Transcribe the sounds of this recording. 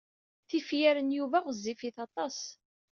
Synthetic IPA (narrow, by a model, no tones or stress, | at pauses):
θifjæɾənjuvæʁəzːifiθɑt̪ˤɑs